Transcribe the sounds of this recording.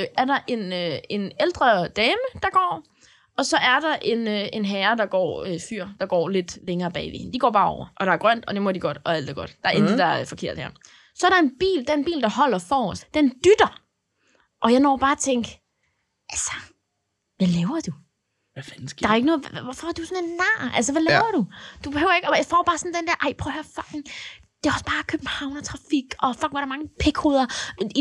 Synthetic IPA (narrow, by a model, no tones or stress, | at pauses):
ʔæɐɾɑ̈ʔe̝nøe̝neld̥ʁɐd̥ɛːməd̥ɑ̈ɡ̥ɒ̰ː | ɒ̽sɒ̽ʔæɐdɑ̈ʔe̝nøe̝nɦɛːɐd̥ɑ̈ɡ̥ɒ̰ːøfyɐ̰d̥ɑ̈ɡ̥ɒ̰ːle̝d̥leŋɐːb̥ɛ̰ːɪʋḛhend̥iɡ̥ɒ̰ːb̥ɑ̈ːɒʊɐʔɒ̽ɾ̥ɑ̈æɐɡ̥ʁɶn̰d̥ɒ̽d̥e̝mɔdiɡ̥ɒ̽d̥ɒ̽æl̰d̥æɐɡ̥ɒ̽d̥d̥ɑ̈æɐʔend̥ð̩d̥ɑ̈ɐfɒ̽kʰe̝ɐ̰d̥hæɐ̰ | sɒ̽æɐɾ̥ɑ̈e̝nb̥ḭːld̥eenb̥ḭːld̥ɑ̈hɒ̽l̰ɐfɒːɒsd̥end̥yd̥ɐ | ʔɒ̽jɑ̈ɪnɒ̰ːb̥ɑ̈ːt͡sʰeŋ̰ɡ̥ | ʔælsɐ̥ | ʋæleʊɐd̥u | ɑ̈æɐeɡənɔ̽ːɔfɒɑd̥usɔnenːɑ̰ːælsəʋæleʊɐd̥ud̥ub̥e̝høʊɐe̝ɡ̥ɒjäɪfɒ̰ːb̥ɑ̈ːsɒ̽n̩d̥end̥æɐʔɑ̈ɪ̰pʰʁœʊhæɐfɑ̽ɡ̥ŋ | d̥e̝æɒ̽sb̥ɑ̈ːkʰøb̥̚m̩hɑ̈ʊnɒt͡sʰʁɑ̈fiɡ̥ɒ̽fɑɡ̥̚ŋ̩ʋɑɾɑmɑ̈ŋəpʰeɡ̥ho̝ːð̞ˠɐi